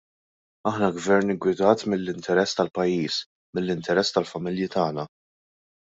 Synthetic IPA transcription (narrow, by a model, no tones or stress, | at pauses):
ɐħnɐɡvɛɾnɪɡwɪd̪ɐːt̪mɪlːɪnt̪ɛɾɛsːt̪ɐlpɐjːiːs | mɪlːɪnt̪ɛɾɛsːt̪ɐlfɐmɪljɪt̪ɐːnɐ